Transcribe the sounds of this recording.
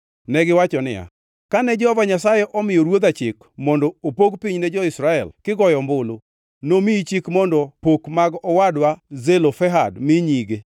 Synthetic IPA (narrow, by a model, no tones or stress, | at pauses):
nɛɡɪwat͡ʃɔnɪ̰ja̰ | kanɛd͡ʒɔhɔvaɲasajɛʔɔmɪjɔɾwot̪at͡ʃɪk | mɔndɔopoɡpiɲnɛd͡ʒɔɪsɾaɛ̰lkɪɡɔjɔmbʊlo | nomiit͡ʃikmɔndɔpokmaɡɔwadwazelofɛɦadmɪɲiɡe